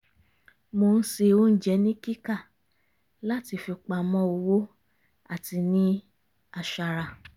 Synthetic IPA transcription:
mo˧n̩˦se˧o˦n̩˦d͡ʒɛ˨˧˦nĩ˦ki˦ka˦˨ | la˦ti˧fi˧k͡pa˧mɔ̃˦o˧wo˦ | a˦˨ti˧nĩ˦ | a˧ʃa˧ɾa˧˨

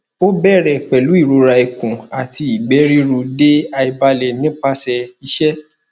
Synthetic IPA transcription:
o˦bɛ˦˨ɾɛ˨k͡pɛ˨lu˨˦i˦˨ɾo˧˦ɾa˧e˨kũ˨a˨ti˧i˨ɡ͡bɛ˨˦ɾi˦ɾu˧de˦a˧i˧ba˧lɛ˨nĩ˦k͡pa˦sɛ˧i˧˦ʃɛ˦

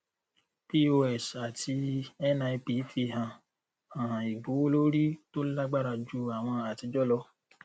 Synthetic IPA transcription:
pi˧o˧ɛ˨sa˨tʰi˧ɛ˦na˧i˧pi˨˧˦fi˧ɦã˨ | ã˨ã˨i˨bo˨˦lo˦ɾi˦to˦la˦ɡ͡ba˦˨ɾa˧d͡ʒu˦a˨w̃ɔ̃˧a˨ti˧d͡ʒɔ˦lɔ˧˦

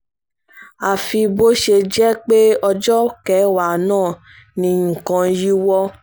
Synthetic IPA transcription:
a˨fi˧bo˦ʃe˧d͡ʒɛ˦k͡pe˦ɔ˧d͡ʒɔ˦kɛ˨˦wa˨nãː˦˨ | nĩ˧˨kã˧ji˦wɔ˦

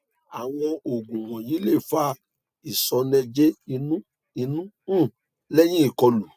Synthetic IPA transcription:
a˨w̃ɔ̃˧o˨ɡũ˨w̃ɔ̃˨ji˨˦le˦˨fa˦ | i˨sɔ˨˧nɛ̃˧d͡ʒe˦i˧nũ˦ | i˧nũ˦˨ | lɛ˦j̃ĩ˦i˦˨kɔ˧lu˨

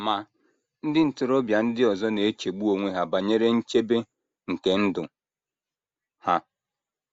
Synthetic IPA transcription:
ma˨ | n̩˦dɪ˦n̩˨tʊ˨ɾo˦bja˨n̩˦dɪ˦ɔ˨zɔ˦ne˨e˦t͡ʃe˨ɡ͡bu˦o˨ŋʷe˦ɦa˨ba˨ɲe˦ɾe˦n̩˦t͡ʃe˦be˦ | ŋ̩˨ke˨n̩˦dʊ˨ | ha˦

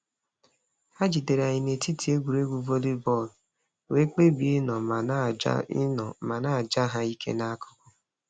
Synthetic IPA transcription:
a˦d͡ʒi˨de˨ɾa˨ɲɪ˨ne˨ti˦tʰi˨e˦ɡʷu˨ɾe˦ɡʷu˨vo˦li˦bɔ˦˨l | we˦k͡pe˦bi˦nɔ̰˨˦˨ | ma˨na˦˨d͡ʒa˦ɦa˦i˦kʰḛ˦na˦kʊ̥˦kʊ˦

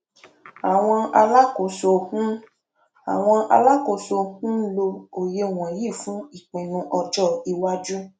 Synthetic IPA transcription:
a˨w̃ɔ̃˧a˧la˦ko˨so˨kũ˦ | a̰˨w̃ɔ̃˧ʔa̰˧la˦ko˨so˧˨kũ˦lo˧o˨je˧˨w̃ɔ̃˨ji˦˨fũ˨˦i˨k͡pĩ˨nũ˧ʔɔ˧d͡ʒɔ˦˨i˧wa˦d͡ʒu˦

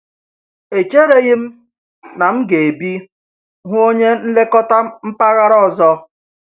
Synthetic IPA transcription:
e˨t͡ʃe˦ɾe˨ɣɪ˦m̩˦ | na˨m̩˦ɡe˨e˨bi˦ | ɦʷʊ˦o˦ɲe˦n̩˦le˦kɔ˦ta˦m̩˦pa˦ɣa˦ɾɔ˦˨zɔ˦

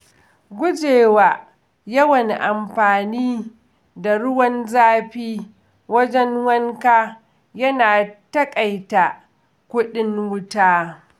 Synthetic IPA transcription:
ɡʷʊ˦d͡ʒeː˨waː˨ | jɐ˦wɐ˨ŋʔa˨mɸaː˨niː˦ | da˨ɽʊ˦wɐ˦nzaː˦ɸiː˦ | wɐ˦d͡ʒɛ˦nwɐ˦ŋkaː˦ | jɐ˦naː˨tɐ˦kʼa˨jta˨ | kʷʊ˦ɗɪ˦ŋwʊ˦taː˦

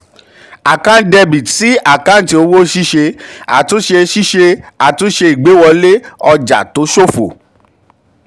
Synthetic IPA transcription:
a˨kã˦n̩˦dɛ˧bi˨ti˦a˦˨kã˦n̩˦ti˧o˦wo˦ʃi˦ʃe˧a̰˨to˨˦ʃe˧ʃi˦ʃe˧a˨tu˨˦ʃe˧i˨ɡ͡be˨˦wɔ˧le˦ɔ˧d͡ʒa̰˨to˨˦ʃo˦fo̰˨

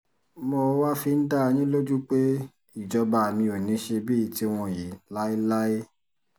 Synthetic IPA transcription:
mõ˧˦wa˦fi˧n̩˦da˦˧j̃ĩ˦lo˦d͡ʒu˦k͡pe˦ | i˦˨d͡ʒɔ˧ba˧˨mĩ˧o˨nĩ˨˦ʃe˧bi˦i˨ti˦w̃ɔ̃˧ji˨˦la˦i˦la˦e˦

